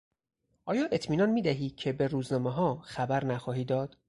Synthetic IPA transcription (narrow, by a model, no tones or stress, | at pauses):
ʔɒːjɒːʔe̞t̪ʰmiːnɒnmiːd̪æɦiːcʰe̞be̞ɾuːznɒːmeɦɒːxæbæɾnæxɒːɦiːd̪ɒːd̪̥